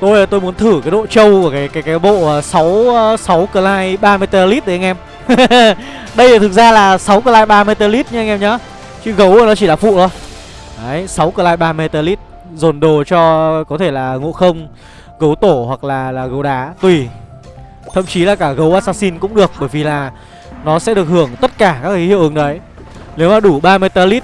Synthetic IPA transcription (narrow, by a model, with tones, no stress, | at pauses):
t̪o˧jt̪o˧jmu˨˦ənt̪ʰɨ˧˩kaː˨˦jɗo̰˧˨t͡ɕə˧wku˧˩əkaː˨˦jkaː˨˦jkaː˨˦jɓo̰˧˨˩sa˨˦wsa˨˦wkəː˧˩laː˧jɓaː˧me˧jt̪əː˧li˦˥t̪̚ːə˨˦˧ŋʔɛ˧m | ɗə˧jt̪ʰɨ˨˩k̚zaː˧laː˨˩sa˨˦wkəː˧laː˧jɓaː˧me˧t̪əː˧li˦˥t̚ɲɨ˧˦˧ŋʔɛ˧mɲɔ˨˦ | t͡ɕɨ˨˦ɣə˨˦wnɔ˨˦t͡ɕi˧˩laː˨˩fṵ˧˨t̪o˧j | ʔə˨˦jsa˨˦wkəː˧˩laː˧jɓaː˧me˧t̪əː˧li˦˥t̚ | zo˨˩nɗo˨˩t͡ɕɔ˧kɔ˨˦t̪ʰe˧˩laː˨˩ŋo̰˧˨xə˧wŋ͡m | ɣə˨˦wt̪o˧˩hwa˨˩k̚laː˨˩laː˨˩ɣə˨˦wɗaː˨˦t̪wi˨˩ | t̪ʰə̰˧˨mt͡ɕi˨˦laː˨˩kaː˧˩ɣə˨˦wʔaː˧saː˧si˧nkʊ̰˧˥ŋ͡mɗɨ˨˩ək̚ɓəː˧˩jvi˨˩laː˨˩ | nɔ˨˦sɛ̰˧˥ɗɨ˨˩ək̚hɨ˧˩əŋt̪ə˦˥t̚kaː˧˩kaː˦˥k̚ʔi˨˦hḭ˧˨wʔɨ˨˦nɗə˨˦j | ne˨˦wmaː˨˩ɗu˧˩ɓaː˧mɨ˧jt̪əː˧li˦˥t̚